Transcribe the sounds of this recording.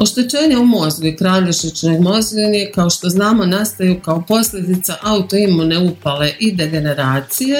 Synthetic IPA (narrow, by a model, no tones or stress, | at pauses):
o̞ʃt̪et͡ʃe̞ːɲaumo̞zɡuikɾaːʎiʃit͡ʃnoɡmo̞zɡinekao̞ʃt̪o̞znaːmo̞nast̪ajukao̞po̞slʎʲe̞d̪it̪saʔaut̪o̞imune̞upale̞ʔid̪e̞ɡe̞ne̞ɾaːt̪sije